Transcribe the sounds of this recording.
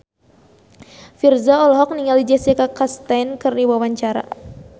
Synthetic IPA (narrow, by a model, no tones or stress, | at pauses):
firzaɔlɔɦɔk̚niŋalid͡ʒɛsekakast̪ajnkɨrdiwawaɲt͡ʃaɾa̰